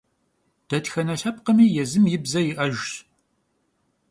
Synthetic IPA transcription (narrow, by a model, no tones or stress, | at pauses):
d̥ɐtxɐnɐɬɐp̚qəmiːjɛzɨmjɪbzɐjɪʔɐʒ